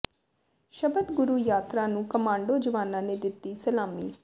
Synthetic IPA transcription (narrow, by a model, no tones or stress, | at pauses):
ʃəbəd̪ɡʊɾuːjaːt̪ɾãːnũːkəmãːɳɖoːd͡ʒəʋaːnãːneːd̪ɪt̪ːiːsəlaːmḭː